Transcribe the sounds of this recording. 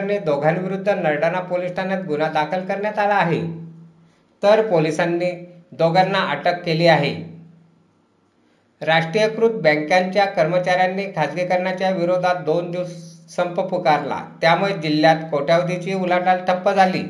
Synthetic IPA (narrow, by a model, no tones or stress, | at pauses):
nid̪oɡʱanʋiɾud̪ʱːənəɾɽanapolisʈanjat̪ɡunad̪akʰəlkəɾɳjat̪alaːɦe | t̪əɾpolisanːiːd̪oɡanːaʔəʈəkːeliːaɦḛ | ɾaʂʈɾijəkɾut̪̚bə̃ŋkjaɲt͡ɕjakəɾmət͡ɕaɾjanːiːkʰad͡zɡekəɾɳjat͡ɕjaʋiɾod̪ʱat̪̚d̪ond̪ussəmpəpukaɾla̰t̪jamuɭed͡ʑilːjat̪koʈjaʋd̪ʱit͡ɕiːulaʈalt̪ʰəpːəd͡zʱalḭː